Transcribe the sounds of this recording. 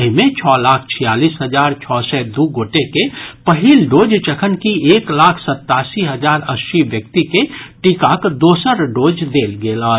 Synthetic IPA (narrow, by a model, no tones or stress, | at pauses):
ɦmẽt͡ʃʰɔːlaːkʰt͡ʃʰijaːliːsɦəd͡ʒaːɾt͡ʃʰɔːsɛd̪uːɡoːʈekepəɦilɖoːd͡ʒt͡ʃəkʰənkieːklaːkʰsət̪ːaːsiɦəd͡ʒaːɾəsʃiʋjək̚t̪ikeʈikakd̪oːsəɾɖoːd͡ʒd̪eːlɡeːlaː